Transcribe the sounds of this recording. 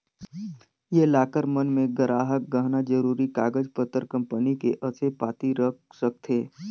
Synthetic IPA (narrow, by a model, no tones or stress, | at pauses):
jelaːkəɾmənmẽɡəɾaːɦək̚ɡəɦnad͡ʒəɾuːɾikaːɡəd͡ʒpət̪ːəɾkə̃mpənikeʔəsepaːt̪iɾəksəkt̪ʰeː